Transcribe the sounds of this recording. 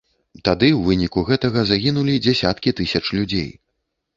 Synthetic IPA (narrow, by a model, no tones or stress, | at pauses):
t̪ad̪ɨwvɨnʲikuɣɛt̪ɐɣɐzaɣʲinulʲid͡zʲɛsʲat̪kʲit̪ɨsʲɐt͡ʂlʲud͡zʲḛj